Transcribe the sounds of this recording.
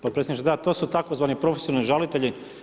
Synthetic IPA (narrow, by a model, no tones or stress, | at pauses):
popɾeseniʃt̪ed̪at̪o̞ːsut̪akozʋaːnipɾofesionalniʒalit̪e̞ʎi